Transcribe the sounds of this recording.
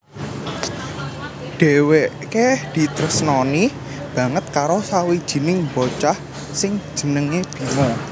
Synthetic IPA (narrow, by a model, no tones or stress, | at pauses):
ɖ̥e̤weʔked̪̥i̤t̪ɾəsnɔni | b̥ä̤ŋət̪̚kaɾosawid̥ʒ̥i̤nɪŋbot͡ʃah | sɪŋ̥ʒ̥ə̤nəŋeb̥i̤mɔ